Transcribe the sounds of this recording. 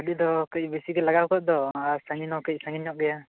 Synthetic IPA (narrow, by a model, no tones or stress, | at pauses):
aɖid̪ɔkəc̚bisiɡɛlaɡawkɔʔ̚d̪ɔaɾsaŋinɔkəc̚saŋiɲɔʔ̚ɡɛja